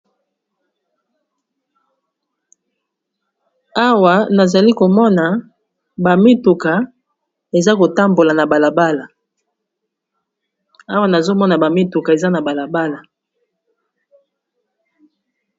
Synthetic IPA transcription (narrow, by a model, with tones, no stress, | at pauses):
a˦wa˨na˨za˨li˦ko˨mɔ˦na˨ | ba˨mi˦tu˨ka˨ | e˨za˦ko˨ta˦mbo˨la˨na˨ba˨la˨ba˦la˨ | a˦wa˦na˨zo˦mɔ˦na˨ba˨mi˦tu˨ka˨e˨za˦na˨ba˨la˨ba˦la˨